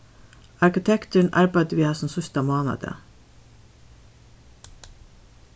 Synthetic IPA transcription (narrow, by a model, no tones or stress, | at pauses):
ɑɹkɪt̪ʰɛkt̪ʉɳ̩ʔɑ̰ɹbæɪd̪ʋiːhɑsn̩sʊst̪ɑmɑːnɑ̰d̪ə̰